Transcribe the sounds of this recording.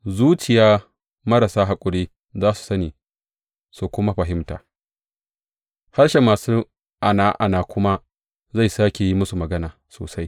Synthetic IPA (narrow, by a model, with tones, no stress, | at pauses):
zuː˦t͡ʃɪ˨jaː˦ | mɐ˦ɾa˨saː˦ɦa˨kʷʼʊ˨ɽiː˦ | zaː˦su̥˨sɐ˦niː˨ | su˨kʷʊ˦ma˦ɸɐ˨ɦɪ˦mta̰ː˨ | ha˦ɽʃe˨maː˨suː˦ | ʔa˨naː˦ʔa˨naː˨kʷʰʊ˦ma˦ | za˦˨jsaː˦kʲe˨ji˦mʊ˦su˨mɐ˨ɡɐ˦naː˨so̰ː˨sa˦j